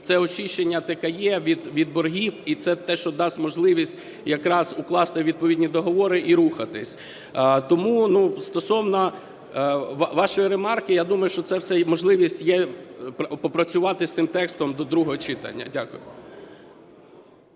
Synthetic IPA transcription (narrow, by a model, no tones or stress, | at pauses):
t̪sɛɔt͡ʃiʃt͡ʃenʲːɐt̪ɐkɛjɛʋʲid̪ʋʲid̪̚bɔrɦʲifit̪sɛt̪ɛʃt͡ʃɔd̪ɑsʲtʲmɔʒlˠɪʋʲisʲtʲ | jɐkɾɑzʊklˠɑst̪ɪʋʲid̪̚pɔʋʲidʲnʲid̪ɔɦɔʋɔɾɪʔiɾuxɐt̪ɪsʲ | t̪ɔmunust̪ɔsɔwnɐ | ʋʋɑʃɔjiɾemɑrkɪjad̪umɐjʊʃt͡ʃɔt̪sɛwsɛmɔʒlˠɪʋʲisʲtʲjɛ | pɔpɾɐt͡sʲʊʋɑt̪ɪst̪ɪmt̪ɛkst̪ɔmd̪ɔd̪ɾuɦɔɦɔt͡ʃɪt̪ɐ̰nʲːɐ̰dʲakʊjʊ̰